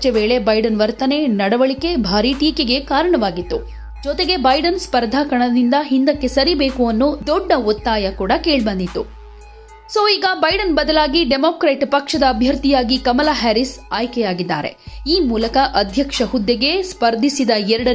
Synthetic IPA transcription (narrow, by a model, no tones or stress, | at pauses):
t͡ʃɐʋeːɭe̞bɐjɖɐnʋɐɾt̪ɐne̞nɐɽɐʋɐɭike̞bʱaːɾiʈiːkeɡe̞kaːɾɐɳɐʋaːɡit̪ːu | d͡ʒɔt̪eɡe̞bɐjɖɐnspɐɾd̪ʱaːkɐɳɐd̪ind̪ɐɦind̪ɐkːe̞sɐɾibeːkuɐnːud̪ɔɖːɐɔt̪ːaːjɐkuːɽɐkeːɭbɐnd̪it̪ːu | soːiːɡɐbɐjɖɐnbɐd̪ɐlaːɡiɖemoːkɾeːʈpɐkʂɐd̪ɐːbʱjɐɾt̪ijaːɡikɐmɐlaːɦæːɾisaːjkɛjaːɡid̪ːa̰ːɾe̞̰iːmuːlɐkɐʔɐd̪ʱjɐkʂɐɦud̪ːeɡe̞spɐɾd̪ʱisid̪ɐɛɾɐɽɐ